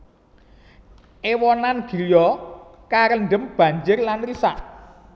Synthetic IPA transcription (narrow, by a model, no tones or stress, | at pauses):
ʔewɔnanɡ̥i̤ljɔkaɾənɖə̤mb̥ä̤ɲd͡ʒɪrlanrisaʔ